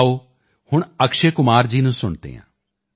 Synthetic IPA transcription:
oː | hʊɳəkʃeːkʊmaːɾd͡ʒiːnũːsʊɳt̪ḛːɦã̰ː

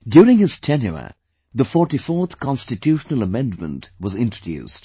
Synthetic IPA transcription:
djuːɾɪ̃ŋhɪz̥tʰɛnjṵə̰ | ðəfɔʈifɔːt̪kʰɑ̃nstɨtʰjuːʃənəlˠəmɛ̃ndmə̰̃ntwʌzɪ̃ntɹ̥ədjṵːst

